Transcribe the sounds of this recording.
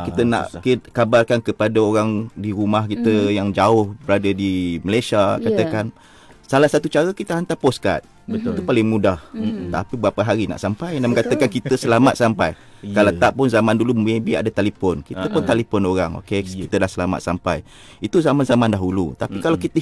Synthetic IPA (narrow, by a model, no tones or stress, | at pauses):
kit̪əna̰ʔkikabarkankəpadaoɾaŋdiɾumahkit̪əjaŋd͡ʒaʊhbəɾadədiməlajsiakat̪akan | salahsat̪ut͡ʃaɾəkit̪əɦant̪apɔska̰t̪̚ | it̪upalɪŋmũdaht̪a̰pibɾapaɦaɾina̰ʔsampajndaməŋkat̪əkankit̪əsəlama̰t̪̚sampa̰j | kalat̪aʔpʊnzamãndulumebia̰dat̪alipɔnkit̪əpʊnt̪alefɔnoɾaŋo̰kekit̪ədahsəlama̰t̪̚sampa̰j | it̪uzamanzamãndaɦulṵt̪apikalawkit̪ə